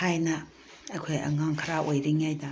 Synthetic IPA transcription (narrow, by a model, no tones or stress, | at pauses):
hajnɐ | kʰojɐ̰ŋaŋkʰɐɾaʔojɾiŋajda